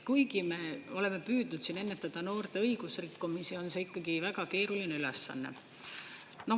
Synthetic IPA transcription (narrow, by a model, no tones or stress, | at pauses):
kujɡ̥ime̞ːo̞leme̞pyːd̪nud̪̥sine̞nːe̞t̪ːˑɑd̪̥ɑno̞ːrt̪e̞ɤjɡ̥usrikːumisio̞nseikːˑɑɡivæɡ̥ɑke̞ːɾulineylesːɑ̰nːḛ | no̞